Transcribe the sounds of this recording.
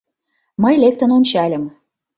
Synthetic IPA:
məjlek̚t̪ənonʲt͡ɕɑlʲə̆m

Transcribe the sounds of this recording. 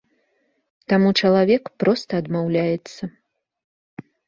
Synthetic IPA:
t̪amut͡ʂɐlˠavʲɛkpɾɔst̪ɐːd̪mawlʲajɛt̪sːɐ

